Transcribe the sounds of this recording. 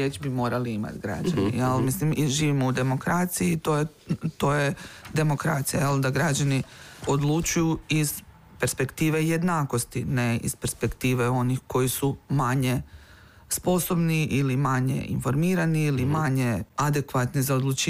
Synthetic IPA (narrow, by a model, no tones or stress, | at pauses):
et͡ʃbimo̞ːɾaliima̰t̪ɡɾa̰d͡ʒanḭalmislimʒiːʋimoud̪e̞mo̞kɾat̪sijit̪oje | t̪o̞ːje̞d̪e̞mo̞kɾa̰t̪sijajeld̪aɡɾad͡ʒanio̞d̪lˠut͡ʃujuiz̥ | pe̞ɾspe̞kt̪iːʋe̞jed̪naːko̞st̪ineḭz̥peɾspe̞kt̪iːʋe̞o̞nixko̞jisumaɲe̞ | spo̞so̞bniʔilimaɲe̞̰ḭnfo̞ɾmiːɾaniilimaɲe̞ad̪e̞kʋat̪nizao̞d̪lˠut͡ʃiː